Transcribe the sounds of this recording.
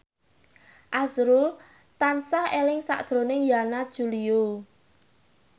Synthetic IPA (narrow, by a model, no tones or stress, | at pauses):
ʔazɾul | t̪ansahelɪŋsa̰ʔd̥ʒ̥ɾonɪŋjanad̥ʒ̥ulio